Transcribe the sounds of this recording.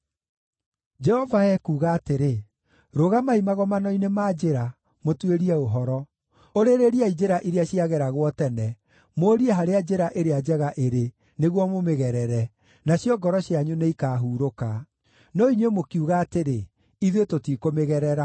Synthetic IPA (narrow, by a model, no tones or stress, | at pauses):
d͡ʒɛhɔvaɛkuːɣaːteɾe | ɾoɣamaimaɣɔmanɔinemad͡ʒeɾa | motweɾiɛoɦɔɾɔ | oɾeɾeɾiaid͡ʒeɾaʔiɾeaɕiaɣɛɾaɣwɔtɛnɛ | moɾiɛɦaɾead͡ʑeɾaʔeɾead͡ʒɛɣaʔeɾe | neɣwɔmomeɣɛɾɛɾɛ | naɕjɔɡɔɾɔɕiaɲuneikaːɦuːɾoka | nɔiɲwemokiuɣaːteɾe | iðwetotikomeɣɛɾɛɾa